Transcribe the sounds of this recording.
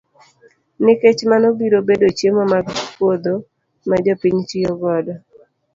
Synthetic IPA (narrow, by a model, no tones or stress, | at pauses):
nɪket͡ʃmanɔbiɾobedot͡ʃjemomaɡpwod̪o | mad͡ʒɔpiɲt͡ʃijɔɡɔdɔ